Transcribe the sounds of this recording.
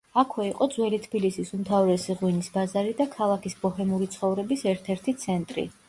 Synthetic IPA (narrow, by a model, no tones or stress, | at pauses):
akʰwɛiqʼɔd̪zwɛlit̪ʰbilisisumt̪ʰavɾɛsiʁwinisbazaɾid̪akʰalˠakʰisbɔhɛmuɾit̪sʰχɔvɾɛbisɛɾt̪ʰɛɾt̪ʰit̪sʰɛnt̪ʼɾḭ